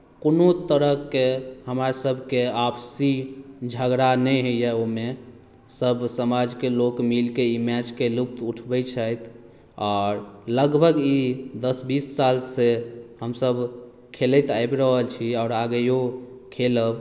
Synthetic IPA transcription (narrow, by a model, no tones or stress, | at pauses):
konot̪əɾəkːehəmaɾsəbʱkeapsid͡ʒʱəɡɾanɛɦəjjɛome | səbʱsəmad͡ʒkelokmilkeimɛd͡ʒkelup̚t̪uʈʰbət͡ʃʰəjt̪ʰ | ɔːɾləɡbʱəɡid̪əsbisːalsehəmsəbʱ | kʰelɛt̪ajbɾəɦəlt͡ʃʰiɔʊɾaɡəjo | kʰeləb